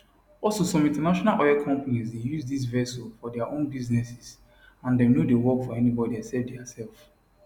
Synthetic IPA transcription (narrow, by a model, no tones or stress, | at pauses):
ɔlˠsosɔ̃mĩntɛnaʃɔnalʔɔjɛkʰɔ̃mpanizdejuzdis̬vɛsɔfɔdɛaʔõnbiznɛsis | ãndɛ̃mnodewɔkfɔɛnibɔdiasɛdɛasɛlf